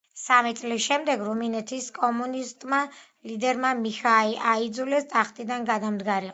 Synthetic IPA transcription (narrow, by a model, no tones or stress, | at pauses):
samit̪sʼlisʃɛmd̪ɛɡɾuminɛt̪ʰiskʼɔmunist̪ʼma | lid̪ɛɾmamixaiʔaid̪zulɛsd̪ʰʼaχt̪ʼid̪anɡad̪amd̪ɡaɾi